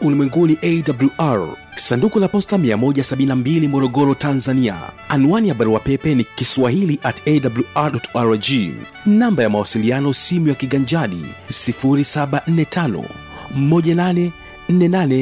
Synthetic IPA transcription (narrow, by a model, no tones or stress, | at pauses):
ulimwɛŋɡuniʔɛidabuljuʔaɹ | sandukulapɔstamiamɔʄasaɓinnambilimɔɾɔɠɔɾɔtanzania̰ | anuwanihaɓaɾuwapɛpɛnikiswahiliʔatɛdabuluaɗɔtaɾd͡ʒi | nambajamawasilianɔsimujakiɠaɲd͡ʒaɗḭsifuɾisaɓan̩nɛtʰanɔ̰ | mɔʄananɛ | n̩nɛnanɛ